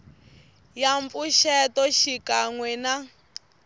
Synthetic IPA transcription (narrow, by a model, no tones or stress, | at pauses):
jampuʃɛtɔʃikaŋwɛna